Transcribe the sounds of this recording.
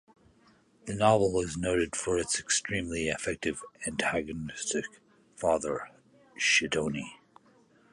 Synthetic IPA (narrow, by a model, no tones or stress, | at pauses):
ðɨnɑvl̩ˠɪznoʊɾɨd̥fə˞ɨtsɨkstɹ̥ĩmliɨfɛk̚tɨvæ̃ntʰæɡɨnɪstɨk | fɑðə˞ | ʃɨdõʊ̃ni